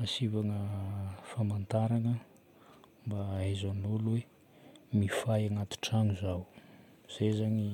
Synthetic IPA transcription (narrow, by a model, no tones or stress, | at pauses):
asivaŋəfamant̪aɾaŋə | mbaezanolwe | mifajaŋat̪i̥ʈ͡ʂaŋuzaw | z̥ezaɲi